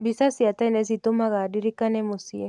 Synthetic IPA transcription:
bisasiat̪ainezit̪omaɣadiɾikanemosie

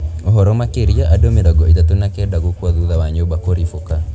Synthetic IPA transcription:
ɔɦɔɾɔmakeɾiaʔadomeɾɔɡɔidatonakɛdaɡukwaðuðawaɲobakoɾifoka

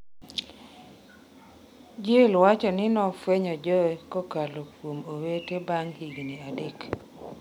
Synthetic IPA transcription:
d͡ʒelwat͡ʃɔnɪnɔfweɲɔd͡ʒɔkɔkalokwomowetebaŋhiɡniadek

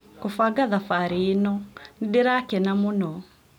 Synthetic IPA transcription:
kufaɡaðafaɾiːnɔniɗiɾakɛnamunɔ

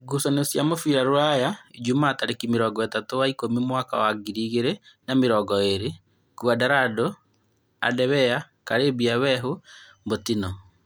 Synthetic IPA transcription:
ɡusɔneosjamofiɾaɾoajaid͡ʒumataɾekimeɾɔːɡɔɛtatowaikomimwaka̰waɡiɾiːɣeɾenameɾɔɡɔeɾe | kwadaɾado | a̰dɛβɛa | kaɾebiawɛɦo | mbotinɔ

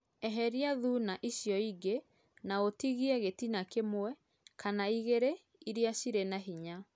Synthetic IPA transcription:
ɛɦɛɾiaðunaʔiɕjɔiɡe | naotiɣiɛɣetinakemwɛ | kanaiɣeɾe | iɾeaɕiɾenaɦiɲa

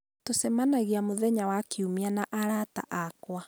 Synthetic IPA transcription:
tosɛmanaɣiamoðɛɲawakiumianaʔaɾata̰ʔakwa

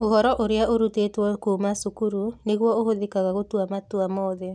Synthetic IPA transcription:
oɣɔɾɔʔoɾjaʔoɾutetwɔkumasukuɾuneɣwɔoɦoðekaɣaɣotwamatwamɔðe

